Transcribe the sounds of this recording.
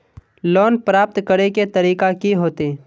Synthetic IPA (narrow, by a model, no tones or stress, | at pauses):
lɔːnpɾaːp̚t̪kəɾeket̪əɾiːkakiɦoːt̪eː